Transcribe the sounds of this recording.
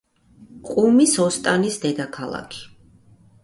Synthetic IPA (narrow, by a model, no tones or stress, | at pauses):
qʼumisɔst̪ʼanisd̪ɛd̪akʰalˠa̰kʰi̥